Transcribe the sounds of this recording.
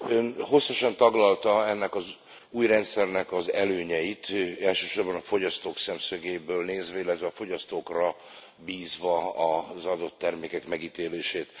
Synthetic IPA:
ønho̞sːɒʃɒnt̪ɒɡlɒlt̪ɒɛnːɛkɒz | uːjrɛnt̪sɛrnɛkɒzɛløːɲɛjit̪ɛlʃøːʃo̞rbɒnɒfo̞ɟɒst̪oːksɛmsøɡeːbøːlneːzʋɛilːɛt̪ʋɛɒfo̞ɟɒst̪oːkrɒ | biːzvɒɒzɒd̪o̞t̪ːɛrmeːkɛkmɛɡiːt̪eːleːʃeːt̪

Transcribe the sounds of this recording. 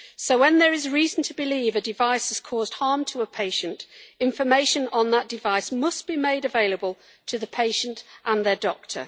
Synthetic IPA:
soʊwə̃nðəɹɪzɹiːzə̃n̩tʰəbɪliːvədɪvaɪsɪz̥kʰɔːzd̥hɑɹmtʰəəpʰeɪʃə̃ntɪ̃ɱfəmeɪʃə̃nə̃nðəʔ̚d̥ɪvaɪsmʌsb̥imeɪɾəveɪləbəlˠ | tʰəðəpʰeɪʃə̃ntʔə̃nðədɔk̚tʰə̰˞

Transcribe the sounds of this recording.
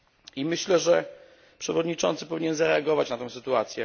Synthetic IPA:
imɘɕlɛʐɛ | pʂɛvɔd̪ɲit͡ʂɔnt̪sɘpɔvʲiɲɛnzaɾɛaɡɔvat͡ɕnat̪ɔ̃w̃sɘt̪uat̪sʲjɛ

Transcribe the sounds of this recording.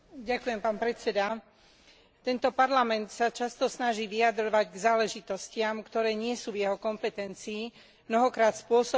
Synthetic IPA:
ɟakujɛmpaːnpɾɛt͡sɛd̪a | t̪ɛnt̪ɔpaɾlamɛnt̪sat͡ʃast̪ɔsnaʒiːʋijad̪ɾɔʋaɟɡzaːlɛʒit̪ɔscɪamkt̪ɔɾɛːɲɪɛsuːvjɛɦɔkɔmpɛt̪ɛnt͡siː | mnɔɦɔkɾaːt̪spʊɔsɔ

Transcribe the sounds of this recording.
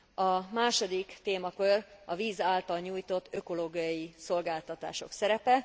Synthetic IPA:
ɒmaːʃo̞d̪ikt̪eːmɒkørɒviːzaːlt̪ɒlɲuːjt̪o̞t̪ːø̞ko̞loːɡijɒjiso̞lɡaːlt̪ɒt̪a̰ːʃo̞̰ksɛɾɛpɛ

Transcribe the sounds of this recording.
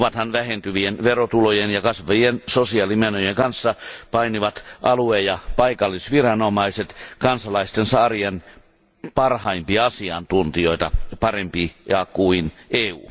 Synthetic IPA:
ʋɑt̪hɑnʋæhent̪yʋienʋerot̪ulojenjɑkɑsʋɑjensosiɑːlimenøjeŋkɑnsːɑpɑiniʋɑt̪ʔɑluejɑpɑikɑlːisʋirɑnomɑiset̪kɑnsɑlɑist̪ensɑːrien | pɑrhɑimpiɑɑsiɑ̰nt̪unt̪ioit̪ɑ̰pɑrempijɑkuineːṵː

